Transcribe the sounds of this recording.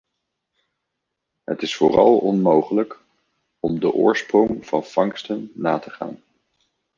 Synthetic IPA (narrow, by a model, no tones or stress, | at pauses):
ɦə̰tɪsfʊ̰ːrɑ̰lˠɔnmowχələk | ɔmdəʔʊːɹsprɔŋv̥ɑnv̥ɑŋstənːaːtəχa̰ːn